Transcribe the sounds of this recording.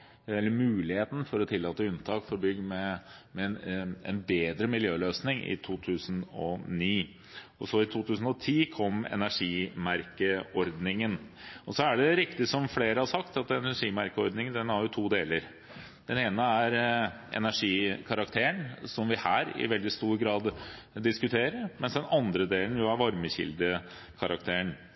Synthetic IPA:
ɛlːəɾmʉːlɪheːt̪n̩fɔɾɔt̪ʰɪlːɑːt̪əʉnt̪ʰɑːkfɔɾbʏɡ̪mɛmɛɛ̰nbeːd̪ɾəmɪljøːløːsnɪŋɪ̰t̪ʰuːt̪ʰʉːsənɔniː | ɔsɔɪt̪ʰuːt̪ʉːsən̩ɔt̪ʰiːkʰɔmːɛ̰næʂiːmæɾkəɔɾd̪nɪŋənɔsɔæɖɛɾɪkt̪ɪsɔmfleːɾəhɑsɑkt̪ɑt̪ɛnæʂiːmæɾkəɔɾd̪nɪŋənd̪ɛnhæɾjʊt̪ʰuːd̪eːləɾ | d̪̥ɛneːnəæɾ | ɛ̰næʂiːkʰɑɾɑkt̪ʰeːəɳsɔmʋɪhæːɾɪ̰ʋɛld̪ɪst̪uːɾɡɾɑːd̪ | d̪ɪskʉt̪ʰeːɾəɾmɛnsd̪ɛnɑnd̪ɾəd̪eːlən̩jʊæɾʋɑɾməçɪ̰ld̪ə | kʰɑɾʔɑk̚t̪ʰeːəɳ

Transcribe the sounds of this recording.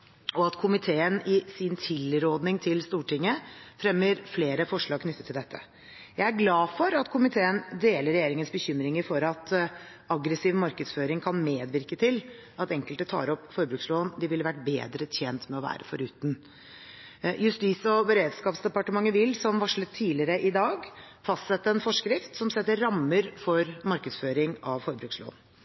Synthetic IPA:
ɔɑt̪kʰʊmɪt̪ʰeːənɪsɪnt̪ʰɪlɾoːd̪nɪŋt̪ʰɪlst̪uːʈɪŋːəfɾɛmːəɾfleːɾəfɔʂɭɑːɡ̚kʰnʏt̪ːət̪ʰɪld̪ɛt̪ʰːə̰ | jæɪæɾɡlɑːfɔɾɑt̪kʰʊmɪt̪ʰeːənd̪eːləɾɛjeːɾɪŋənsbəçʏmɾɪŋəɾfɔɾɑt̪ | ɑɡɾəsiːʋmɑɾkəd̪sføːɾɪŋkʰɑnmeːd̪ʋɪɾkət̪ʰɪl | ɑt̪ɛŋkəlt̪ət̪ʰɑ̰ːɾɔpːfɔɾbɾʉːksloːənd̪ɪʋɪləʋæʈ̚bḛːd̪ɾət̪ʰjeːnt̪mɛɔʋæ̰ːɾə̰fɔɾʉːt̪n | jʉst̪ɪsɔbəɾeːd̪skɑːpsd̪ɛpɑʈəmɑŋːəʋɪlsɔmʋɑʂɭət̪ʰːiːlɪəɾəʔɪd̪ɑːɡ | fɑst̪sɛt̪ːəɛnfɔʂkɾɪft̪sɔmsɛt̪ːəːɑmːəɾfɔɾmɑɾkəd̪sføːɾɪŋɑʋfɔɾbɾʉːkslo̰ːn

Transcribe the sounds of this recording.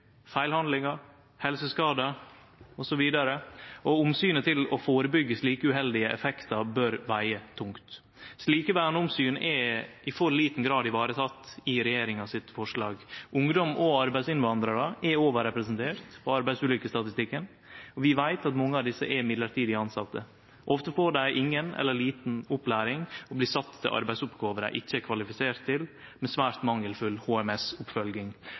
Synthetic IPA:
fæɪlhɑnlɪŋɑ | hɛlsəskɑːd̪ə | ɔsɔʋiːd̪ɑɾəʔɔʊmsyːnət̪ʰɪlɔfoːɾəbʏɡːəsliːkəʉːɦɛld̪ɪəʔɛfɛkt̪ɑbœɾʋæɪət̪ʰʊŋkt̪ | sliːkəʋæːɳʊmsyːnɛɪfɔɾliːt̪n̩ɡɾɑːd̪ɪʋɑːɾət̪ʰɑt̪ːɪɾɛjeːɾɪŋɑsɪt̪fɔʂɭɑ̰ːɡʔʊŋd̪ɔmɔɑɾbæɪsɪnʋɑnd̪ɾɑɾəʔɛoːʋəɾɛpɾɛsənt̪ʰeːɾt̪pʰɔɑɾbæɪsʉːlʏkːəst̪ɑt̪ɪst̪ɪkːən | ɔʋɪʋæɪt̪ɑt̪mɔŋːəɑʋd̪ɪsːəʔɛɪmɪd̪ləɾʈʰiːd̪ɪɑnsɑt̪ːə | ʔɔft̪əfoːɖæɪʔɪŋːənɛ̰lːəɭiːt̪n̩ʊplæːɾɪŋɔbliːsɑt̪ʰːɪ̰lʔɑ̰ɾbæɪsʊpɡoːʋəɾə̰ʔɪ̰çːəɛkʰʋɑlɪfɪseːɾt̪ʰːɪl | mɛsʋæːɾt̪mɑŋːəlfʉlhoːɛmɛsʊpfœlɡɪŋ

